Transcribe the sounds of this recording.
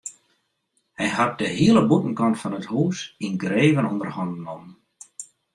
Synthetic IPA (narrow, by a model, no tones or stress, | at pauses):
hɛjɦat̚dəɦiələbutn̩kɔntfɔnəthuːsinɡreːvənondərhɔndn̩ɔm